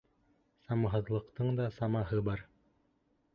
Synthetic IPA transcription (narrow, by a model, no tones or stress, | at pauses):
sɑmɑɦɤ̆ðlˠɤ̆qt̪ɤɴd̪ɑsɑmɑɦɤbɑɾ